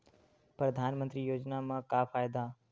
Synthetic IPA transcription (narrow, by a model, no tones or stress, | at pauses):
pɾɐd̪ʱaːnmə̃nt̪ɾiːjoːd͡ʒnamãkaːfaːjd̪aː